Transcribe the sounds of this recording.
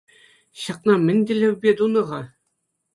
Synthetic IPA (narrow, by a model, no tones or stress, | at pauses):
ɕɑq̚nɑmʲɘ̆nʲd̪ʲɘ̆lʲɘ̆ʋʲbʲed̪unɤ̆ʁɑ